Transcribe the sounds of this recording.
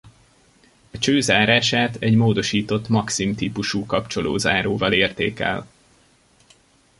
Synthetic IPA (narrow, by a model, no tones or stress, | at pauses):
ɒt͡ʃøːzaːɾaːʃaːt̪ɛɟmoːd̪o̞ʃiːt̪o̞t̪mɒksimt̪iːpuʃuːkɒpt͡ʃo̞lo̰ːzaːɾoːvɒleːrt̪ḛːkɛ̰l